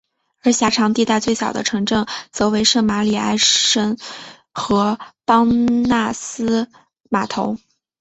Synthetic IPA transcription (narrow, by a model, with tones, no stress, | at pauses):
ə˞˧˥ɕja˧˥ʈ͡ʂʰɑ˧˥ŋt̪i˥˧t̪a˥˧t͡swe˥˩ɪɕjɑ˨˩ʊd̪ə̰˦ʈ͡ʂʰɤ˧˥ŋʈ͡ʂɤ˥˩ŋt͡sɤ˧˥we˧˥ɪʂɤ˥˩ma˧˥li˨˩a̰˥˩ɪʂə˥n | xɤ˧˥pɑ˥ŋna˥˩sɹ̩˥ | ma˨˩t̪ʰo˧˥ʊ